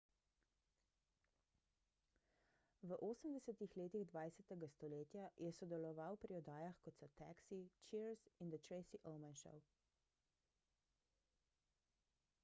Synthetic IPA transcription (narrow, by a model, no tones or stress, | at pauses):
ʋəʔoːsəmd̪ɛsɛt̪ixleːt̪iɣd̪ʋaːjsɛt̪ɛɡast̪ɔleːt̪jajʔɛsɔd̪ɛlɔʋawpɾiɔd̪aːjaxkɔt̪sɔt̪a̰ksit͡ʃiɾzind̪ət̪ɾɛɪsiʔɔwmɛnʃɔ̰w